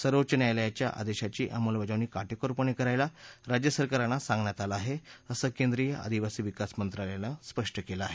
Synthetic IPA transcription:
səɾʋət͡ɕənjajljat͡ɕjaʔa̰d̪eɕat͡ɕiːʔamolʋəd͡zaʋniːkaʈekoɾpəɳikəɾajlaɾad͡ʑjəsəɾkaɾanːasãŋɡɳjat̪alaːɦeəsəːkend̪ɾijəʔa̰d̪iʋasiːʋikasmənt̪ɾalelaspəʂʈəkelaaɦe

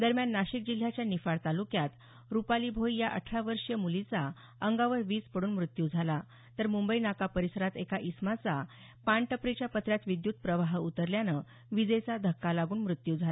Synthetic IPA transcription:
d̪əɾmjanːaɕik̚d͡ʑil̤ːjat͡ɕjanifaɭt̪alukjat̪ | ɾupalibʱojjaʔəʈʰɾaʋəɾʂjəmulit͡sa | əŋɡaʋəɾʋiːspəɽuːnmɾut̪jud͡zʱala | t̪əɾmumbəinakapəɾisəɾat̪ekaʔismat͡sa | paɳʈəpɾit͡ɕjapət̪ɾjat̪ʋid̪jut̪̚pɾəʋaɦut̪əɾljanə | ʋid͡zəjt͡sad̪ʱəkːalaɡuːnmɾut̪jud͡zʱala

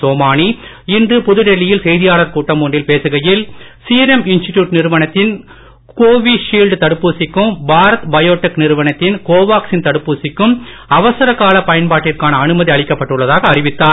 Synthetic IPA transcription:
soːmaːni | ɪndrɯpʊðɯɽɛɭːɪjɪlsɛjðɪjaːɭɐɾkuːʈːɐmʊɳɖɪlpeːsɯɣɐjɪlsiːɾɛmɪnsʈɪʈjuːʈnɪɾɯʋɐnɐt̪ːɪn | koːʋiʂiːlɖt̪ɐɽɯpːuːsɪkːɯmbaːɾɐt̪bɐjoːʈːɛknɪɾɯʋɐnɐt̪ːɪnkoːʋaːksɪnt̪ɐɽɯpːuːsɪkːɯmɐʋɐsɐɾɐkːaːlɐpɐjɐnpaːʈːɪrkaːnɐːnɯmɐðiɐɭɪkːɐpːɐʈːɯɭːɐðaːɣɐːrɪʋɪt̪ːaːɾ

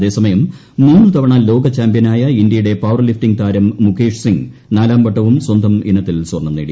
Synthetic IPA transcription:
ðe̞ːsɐmɐjɐmː | uːnːɨt̪ɐʋɐɳaːlːo̞ːɡɐt͡ɕaːmbijɐnaːjɐind̪jɐjuɽe̞paːʋɐrlifʈiŋɡt̪ʰaːɾɐmːukʰeːʂsiŋɡnaːlaːmbɐʈːɐʋumswɐnd̪ʱɐminːɐt̪ːilswɐrɳɐmnḛːɽḭ

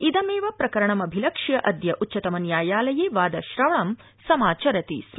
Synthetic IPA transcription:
id̪ɐmeːʋɐpɾɐkɐɾɐɳɐmɐbʱilɐkʂjɐʔɐd̪jɐʔutːt͡ʃːɐt̪ɐmɐnjaːjaːlɐjiʋaːd̪ɐʃɾɐʋɐɳɐm | sɐmaːt͡ʃɐɾɐt̪ḭs

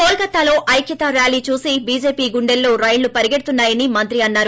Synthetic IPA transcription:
poːlkɐt̪ːaːlo̞ːʔɐjkʰjɐt̪ɐɾjaːliːt͡ʃuːsibiːd͡ʒe̞ːpiːɡuɳɖelːoːɾɐjlːupɐɾiɡeɽut̪unːaːjɐnimɐnt̪ɾiɐnːaːɾu

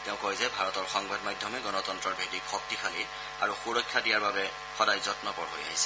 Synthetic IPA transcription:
tɛʊ̃kojzɛbʱaɹɔtɔɹxɔŋbadmajdʱjɔmɛɡɔnɔtɔntɹɔɹbʱek̚tikxɔk̚tixʰali | a̰ɹuxuɹɔkʰːjadijaɹbabɛ | xɔdajzɔtnɔpɔɹɦo̰ja̰ɦisɛ̥

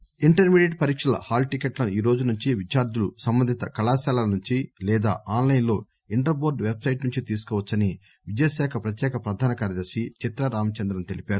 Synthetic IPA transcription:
iɳʈɐɾmiːɖeɖ̚pɐɾiːkʂɐlɐ̰haːlʈikeʈlɐnuiːɾo̞ːd͡ʒunuɲt͡ʃiʋit͡ʃaːɾd̪ulusɐmbɐnd̪ʱit̪ɐkɐlaːsaːlɐlɐnuɲt͡ʃilɛːd̪a̰ːʔaːnlɐjnlo̞ː | iɳʈɐɾboːɖʋebsɐjʈnuɲt͡ʃit̪iːsu̥kɔːʋɐt͡ʃːɐni | ʋid͡ʒɐjɐsɛːkʰɐpɾɐt̪jɛːkʰɐpɾɐd̪ʱaːnɐkaːɾjɐd̪ɐɾʃit͡ʃit̪ɾɐɾaːmɐt͡ʃɐnd̪ɾɐnt̪elipaːɾu

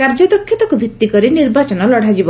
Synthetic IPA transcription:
kaɾd͡ʒɔd̪ɔkʰːjit̪ɔkubʱit̪ːikɔɾiniɾbat͡ʃɔnɔlɔɽ̤ʱad͡ʒib

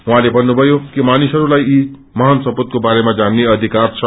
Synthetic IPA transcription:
ũɦãlebʱʌnːubʱʌjokimanisɦʌɾulaji | mʌɦansʌpot̪̚kobaɾemad͡zanːeʌd̪ʱikart͡sʰʌ

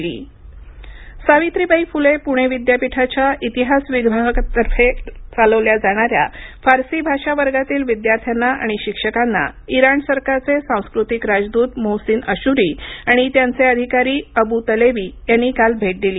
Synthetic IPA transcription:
lḭː | saʋit̪ɾiːbəifulepuɽ̃eʋid̪japiʈʰat͡ɕaʔit̪iɦasʋiɡʋaɦəkt̪əɾfet͡saləʋljad͡zaɽ̃aɾja̰faɾsiːbʱaʂaʋəɾɡat̪iːlʋid̪jaɾt̪ʰjanːaʔa̰ɽ̃iɕikʂəkanːa̰iɾaɳsəɾkaɾt͡sesãw̃skɾut̪ikɾad͡zd̪uːt̪mowsiːnəɕuɾiaɽ̃it̪jant͡seəd̪ʱikaɾiːəbut̪əleʋiːjanːikalbʱeʈ̚d̪iliː

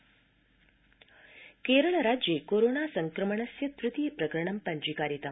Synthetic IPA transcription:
keɾəɭɾad͡ʑjekoɾoɳasəŋkɾəməɳ̃ɐsjɐt̪ɾut̪ipɾɐkɾɐɳɐmpɐɲd͡ʒikaɾit̪ɐm

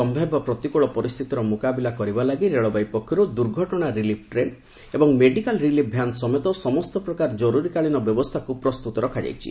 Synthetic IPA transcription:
ɔmbʱabɔpɾɔt̪ikuɭɔpɔɾist̪ʰit̪ɔɾɔmukabilakɔɾibalaɡiɾeɭɔbajpɔkʰːɔɾud̪uɾɡʱɔʈɔɽ̃aɾilipʰʈɾen | ebɔŋmeɖikalɾilip̚ʰbʱjansɔmet̪ɔsɔmɔst̪ɔpɾɔkaɾɔd͡ʒɔɾuɾikaɭinɔbjɔbɔst̪ʰakupɾɔst̪ut̪ɔɾɔkʰad͡ʒa̰jt͡ʃʰḭ

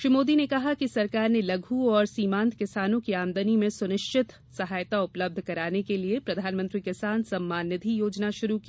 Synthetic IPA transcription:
ʃɾimoːd̪inekɐɦakisɐɾkaːɾnelɐɡʱuɔːɾsiːmãːnt̪kɪsaːnõkiaːmd̪ənimẽsʊnɪʃt͡ʃɪt̪ | sɐɦaːjt̪aʊpləb̚d̪ʱkɐɾaːnekeliepɾɐd̪ʱaːnmɐ̃nt̪ɾikɪsaːnsɐmːaːnɪd̪ʱijoːd͡ʒnaʃʊɾuki̥

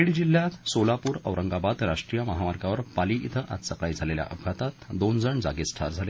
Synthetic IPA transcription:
eɽd͡ʑilːjat̪solapuːɾə̰ʋɾəŋɡabad̪ɾaʂʈɾijəməɦaʋaɾɡaʋəɾpaliʔit̪ʰəʔa̰t̪səkajd͡zʱalelja̰ʔəbʱat̪at̪d̪ond͡zəɳd͡za̰ɡesʈ̪ʰa̰ɾd͡zʱale

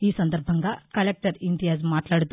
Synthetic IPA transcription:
iːsənd̪əɾbʱəŋɡakɐlek̚ʈəɾiɳɖijad͡zmat̪laɽt̪

